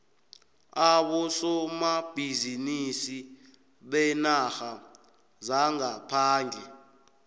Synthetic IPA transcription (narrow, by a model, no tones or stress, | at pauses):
aɓɔsɔmab̥ʱizinisi | ɓɛnaxa | zaŋapʰaːŋd͡ɮʱɛ